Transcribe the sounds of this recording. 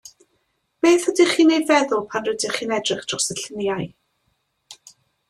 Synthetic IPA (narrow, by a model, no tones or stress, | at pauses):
meːθədiχiːnejvɛðʊlˠpʰanrədiχiːnɛdrɪχd̥rɔsəɬənjaj